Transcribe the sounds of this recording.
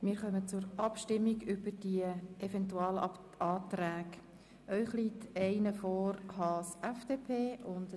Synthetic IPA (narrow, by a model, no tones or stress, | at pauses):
mɪːɾχœmət͡sʊɾʔɑpʃtɪmːiɡʏbəɾd̥iəʔɛfɛntuɑːl | ɑːt̪ɾæːɡ | ʔœʏχliːtʰɛɪnəfɔːɾhɑsɛfd̥eːpʰeːʔʊnd